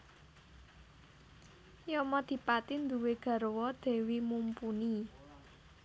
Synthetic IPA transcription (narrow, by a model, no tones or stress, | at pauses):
jɔmɔd̪̥i̤pat̪ind̪ṳweɡ̥a̤ɾwɔd̪̥e̤wimumpuni